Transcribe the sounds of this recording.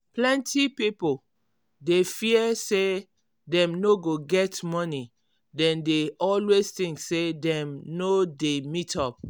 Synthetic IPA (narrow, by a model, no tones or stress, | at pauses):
plɛ̃ntipipol | defiɛse | dɛ̃mnoɡoɡɛtmɔni | dɛ̃ndeʔɔlweztĩŋksedɛ̃mnodemitʰɔp̚